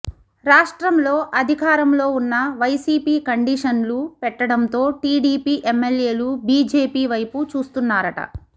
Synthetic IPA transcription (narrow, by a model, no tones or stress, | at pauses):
ɾaːʂʈɾɐmlo̞ːʔɐd̪ʱikaːɾɐmlo̞ːunːɐʋɐjsiːpiːkɐɳɖiʂɐnlupɛʈːɐɽɐnt̪o̞ːʈiːɖiːpiːʔemːelje̞ːlubiːd͡ʒeːpiːʋɐjput͡ʃuːst̪unːaːɾɐʈɐ̰